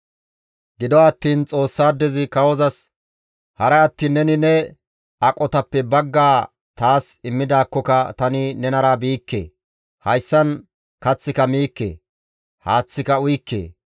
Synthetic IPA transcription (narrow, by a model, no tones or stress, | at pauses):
ɡɪd̪ɔɐt̪ːiːnt͡sʼo̞ːsːaːd̪ɛzɪkɐwɔzɐs | hɐɾɛɐt̪ːiːnːɛnɪnɛ | ɐkʼɔt̪ɐpːɛbɐɡːaː | t̪aːsɪmːɪd̪aːkːɔkɐt̪ɐnɪnɛnɐɾabiːkːḛː | hɐjsːɐn | kɐt͡sːɪkɐmiːkːḛː | haːt͡sːɪkɐʊjkːḛː